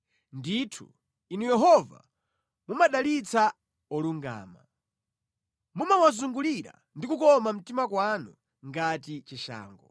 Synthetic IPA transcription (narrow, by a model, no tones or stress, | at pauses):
nditʰṵ | inujɛɦɔva̰ | mumaɗalit͡sa | ɔluŋɡa̰ːma̰ | mumawazuŋɡuliɾa̰ | ndikukɔmam̩timakwanu | ŋɡatit͡ʃiʃa̰ːŋɡɔ